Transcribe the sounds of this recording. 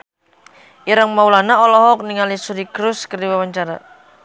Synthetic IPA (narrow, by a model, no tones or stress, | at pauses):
ʔiɾaŋmaulanaɔlɔɦɔk̚niŋalisudikɾʊskərdiwawaɲt͡ʃaɾa̰